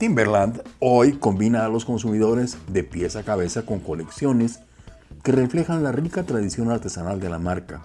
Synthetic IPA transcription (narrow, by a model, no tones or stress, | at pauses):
t̪imbeɾland̪ojko̞mbinaːlo̞sko̞nsumiðo̞ɾe̞zðe̞pje̞sakaβe̞sako̞ŋko̞le̞ksjo̞ne̞s | ke̞re̞fle̞xanlarikat̪ɾaðisjo̞naɾt̪e̞sanald̪e̞lamaɾka